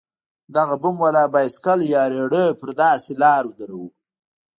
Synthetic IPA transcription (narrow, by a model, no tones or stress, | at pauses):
d̪aɣabʊmwalɑbajskaljɑɾeɽəpəɾd̪ɑselɑɾwʊd̪aɾawu